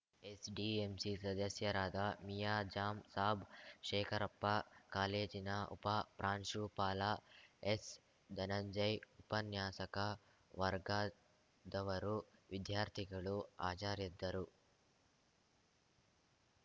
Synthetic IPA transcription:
esɖiːemsisɐd̪ɐsjɐɾaːd̪amijaːd͡ʒaːmsaːbʂeːkʰɐɾɐpːɐkaːleːd͡ʒinɐṵpɐpɾaːnʂupaːlaes | d̪ɐnɐɲd͡ʒɐjupɐnjaːsɐkɐ | ʋɐɾɡaː | d̪ɐʋɐɾuʋid̪jaːɾt̪ʰiɡɐɭua̰ːt͡ʃaːɾid̪ːɐɾu

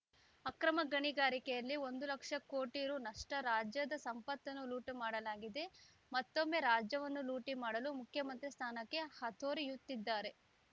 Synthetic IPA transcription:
ɐkɾɐmɐɡɐɳiɡaːɾikɛjɐlːio̞nd̪ulɐkʂɐkoːʈiɾunɐʂʈɐɾaːd͡ʒjɐd̪ɐsɐmpɐt̪ːɐnːuluːʈmaːɽɐlaːɡid̪e̞ | mɐt̪ːo̞mːe̞ːɾaːd͡ʒjɐʋɐnːuluːʈimaːɽɐlumukʰjɐmɐnt̪ɾist̪ʰaːnɐkːe̞hɐt̪ʰoːɾijut̪ːid̪ːaːɾe̞

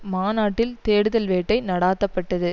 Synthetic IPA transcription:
maːnaːʈːɪlt̪eːɽɯðɐlʋeːʈːɐɪnɐɽaːt̪ːɐpːɐʈːɐðɯ

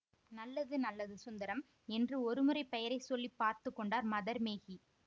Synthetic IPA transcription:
nɐlːɐðɯnɐlːɐðɯsʊnd̪ɐɾɐm | ɛndrɯɔɾɯmɯrɐɪpɛjɐɾɐɪsɔlːipːaːɾt̪ɯkːɔɳɖaːɾmɐðɐɾmeːɣi

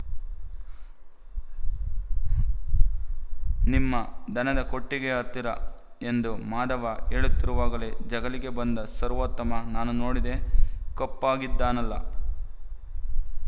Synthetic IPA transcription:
nimːɐd̪ɐnɐd̪ɐko̞ʈːiɡeɐɾt̪iɾɐ̰ | e̞nd̪umaːd̪ɐʋɐeɭut̪ːiɾuʋaːɡɐled͡ʒɐɡɐliɡe̞bɐnd̪ɐsɐɾʋot̪ːɐmɐnaːnuno̞ːɽid̪e̞kopːaːɡid̪ːaːnɐlːɐ̰

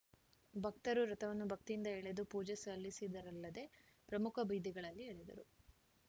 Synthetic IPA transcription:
bʱɐk̚t̪ɐɾuɾɐt̪ɐʋɐnːubʱɐk̚t̪ijnd̪ɐeɭe̞d̪upuːd͡ʒesɐlːisid̪ɐɾɐlːɐd̪e̞ | pɾɐmukʰɐbʱiːd̪iɡɐɭɐlːieɭed̪ɐ̰ɾu

